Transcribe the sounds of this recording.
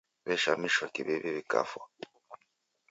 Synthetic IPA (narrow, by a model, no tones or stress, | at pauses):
βɛʃamiʃwakiβeβiβika̰fwa